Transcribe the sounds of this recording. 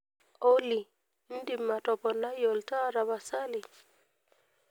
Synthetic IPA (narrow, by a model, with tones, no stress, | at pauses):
ɔ˦li˨ | n̩˦di˨mːa˨tɔ˨pɔ˨na˦jɔ˨lta˦ɾa˨βa˨sa˦li˨